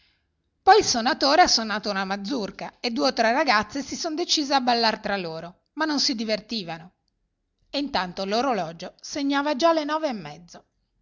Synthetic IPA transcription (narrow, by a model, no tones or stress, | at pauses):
pɔjilsonat̪oːɾeasːonːaːt̪ounamad̪zːurkaed̪ːuːeot̪ːɾɛrːaɡat̪sːesisond̪et͡ʃiːzeabːalːart̪ɾaloːɾo | manːonsid̪ivert̪iːvano | eint̪ant̪oloɾolɔːd͡ʒoseɲːaːvad͡ʒalːenɔːveːmːɛd̪zːo